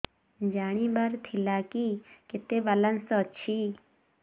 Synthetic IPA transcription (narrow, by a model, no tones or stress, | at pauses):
d͡ʒaːɽ̃ibɐɾt̪ʰilaːkikɪt̪ebɐlənsɔt͡ʃʰi